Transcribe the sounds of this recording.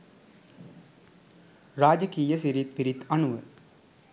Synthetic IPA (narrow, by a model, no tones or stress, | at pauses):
ɾaːd͡ʒɐkiːjɐsiɾit̪ʋiɾit̪ɐɳuʋɐ